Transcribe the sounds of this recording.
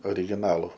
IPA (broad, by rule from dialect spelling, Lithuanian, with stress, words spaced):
oːrʲɪɡʲɪˈnɑːlˠʊ